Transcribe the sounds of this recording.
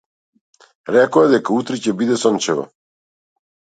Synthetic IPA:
ɾɛkoad̪ɛkaut̪ɾicɛbid̪ɛsɔnt͡ʃɛvɔ̰

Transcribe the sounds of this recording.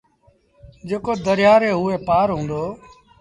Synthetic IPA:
d͡ʒeːkoːd̪əɾjaːɾeːɦʊːeːpaːɾɦũːnd̪oː

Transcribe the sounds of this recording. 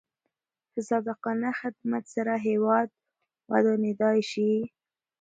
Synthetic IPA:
d̪̥əsɑd̪ɪqɑnaxɪd̪mat̪saɾaɦewɑd̪̚ | wa̰d̪ɑnɪd̪ɑjʃi

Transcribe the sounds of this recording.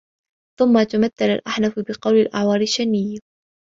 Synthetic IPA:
θʊmːat̪amaθːalalʔaħnafbɪqɑwlɪlʔaʕwɑːɾɪʃːanːɪjːa

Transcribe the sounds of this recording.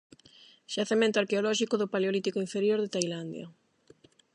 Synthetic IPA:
ʃaθemẽnt̪oaɾkeolɔʃikoðʊpaleolit̪ikoiɱfeɾjoɾðet̪ajland̪ja̰

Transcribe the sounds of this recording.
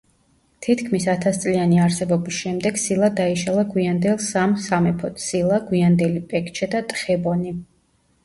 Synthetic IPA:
t̪ʰit̪kʰmisat̪ʰast̪sʼlianiaɾsɛbɔbisʃɛmd̪ɛɡ̥silˠad̪aiʃalˠaɡwiand̪ɛlˠsamsamɛpʰɔt̪ʰsilˠaɡwiand̪ɛlipʼɛkʰt͡ʃʰɛd̪at̪ʼχɛbɔni

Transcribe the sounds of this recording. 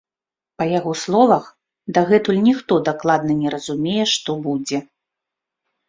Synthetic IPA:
pɐjaɣɔslˠɔvɐx | d̪aɣɛt̪ulʲnʲixt̪ɔd̪aklˠad̪nɨnʲɛɾɐzumʲejɛʂt̪ɔbud͡zʲɛ

